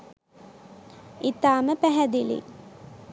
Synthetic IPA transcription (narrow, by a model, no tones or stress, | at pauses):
it̪aːməpæɦæd̪ilḭ